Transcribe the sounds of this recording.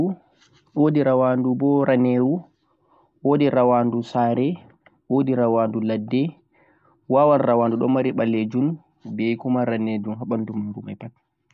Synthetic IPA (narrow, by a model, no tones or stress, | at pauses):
u | odiɾawandubɔɾaneːwu | ʔoːdiɾawaːndusaːɾɛ | ʔodiɾawaːnduladːɛ | wawanrawaːnduɗɔmaɾiɓalːed͡ʒun | bɛjkumaɾaned͡ʒumɦaɓandumuɡuma̰jpat